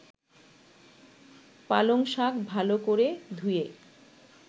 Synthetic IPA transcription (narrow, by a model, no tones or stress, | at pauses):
paloŋʃakbʱalokoɾed̪ʱuje